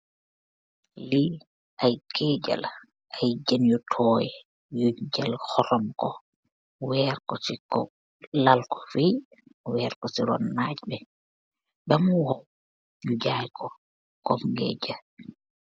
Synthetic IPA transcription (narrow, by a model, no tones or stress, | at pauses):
li | ʔajkʰɛd͡ʒɛ̰l | ʔajd͡ʒanjɔtʰɔjɛ | juɲd͡ʒɛlhɔɾɔmkɔ | wɛːɾkɔsikɔ | lalkɔ̥fi | wɛːɾkɔsiɾɔnːad͡ʒbɛ | bɛmuwɔw | jud͡ʒajkʰɔ | kɔmŋɡɛ̰d͡ʒa